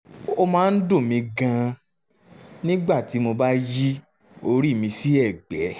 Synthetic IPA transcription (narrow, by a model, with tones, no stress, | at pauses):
o˧mãː˦˧n̩˦do˦˨mĩ˧ɡã˧ | nĩ˦ɡ͡ba˦˨ti˨˦mo˧ba˦ji˦ | o˧ɾi˦˨mĩ˧si˦ɛ˦˨ɡ͡bɛ˨˦